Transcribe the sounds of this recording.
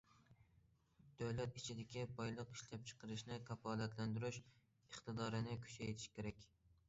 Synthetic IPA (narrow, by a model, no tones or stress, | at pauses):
d̪̥øwlɛt̪it͡ʃʰɪd̪ɪkʲʰibɑjlˠəqiʃlɛp̚t͡ʃʰə̥qəɾɪʃnɪkʰɑfɑːlˠæt̪lænd̪yɾyʃ | əχt̪ɨd̪ɑːɾɨnɪkʲʰy̥t͡ʃʰɛjt̪ʰɪ̥ʃkʲʰeɾɛkʲ